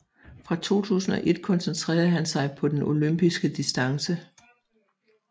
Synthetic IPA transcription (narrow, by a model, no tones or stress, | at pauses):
fʁɑ̈t͡sʰo̝̰ːt͡sʰṵːsn̩ɒ̽ʔe̝d̥̚kʰɒ̽nsənt͡sʰʁɛ̰ːɐð̩ˠɦænsɑ̈ɪpʰɒ̽d̥eno̝lømb̥isɡ̥əd̥isd̥ɑ̈ŋsə